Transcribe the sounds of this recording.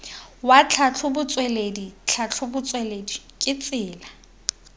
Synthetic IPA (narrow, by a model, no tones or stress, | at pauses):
wat͡ɬʰat͡ɬʰʊbʊt͡sʼweledit͡ɬʰat͡ɬʰʊbʊt͡sʼwɛledi | kʼɪt͡sʼɪːla